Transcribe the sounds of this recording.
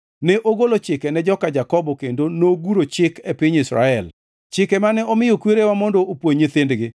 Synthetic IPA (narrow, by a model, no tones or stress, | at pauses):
nɛʔoɡolot͡ʃɪkɛnɛd͡ʒɔkad͡ʒakɔbɔkendonoɡuɾot͡ʃɪkɛpɪɲisɾa̰ɛl | t͡ʃɪkɛmanɛɔmɪjokweɾewamɔndɔopwoɲɪt̪ɪndɡɪ